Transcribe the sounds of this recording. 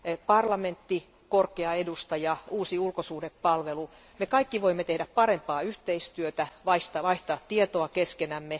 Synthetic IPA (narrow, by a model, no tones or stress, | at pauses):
pɑrlɑment̪ːi | korkeɑedust̪ɑjɑuːsiulkosuːdeppɑlʋelu | mekɑikːiʋoimːet̪ehdæppɑɾempɑːyht̪eist̪yøt̪æʋɑist̪ɑʋɑiht̪ɑːt̪tːiet̪oɑkeskenæmːe